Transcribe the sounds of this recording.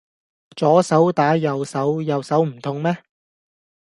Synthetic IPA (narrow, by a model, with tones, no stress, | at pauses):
t͡sɔː˨˥sɐ˨˥wt̪aː˨˥jɐ˨wsɐ˨˥wjɐ˨wsɐ˨˥wm̩˨˩t̪ʰʊ˧ŋmɛː˥